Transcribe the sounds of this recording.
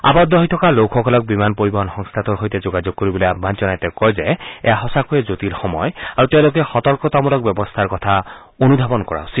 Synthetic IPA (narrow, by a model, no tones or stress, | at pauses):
a̰bɔd̪ɔɦit̪ʰɔkalokʰɔkʰɔlɔk̚bimanpoɹibɔɦɔnxɔŋst̪ʰat̪ɔɹɦojt̪ed͡ʒoɡad͡ʒoɡ̚kːoɹibɔlojabʱmand͡ʒɔnajt̪ɛkɔjzɛḛjaɦɔsakuezot̪ilxɔmɔjaɹut̪ew̃lokɛxɔt̪ɔɹkɔt̪ɔmɔlɔk̚bjɔbɔst̪ʰaɹkɔt̪ʰa | onud̪ʱabɔnkɔɹa̰wsi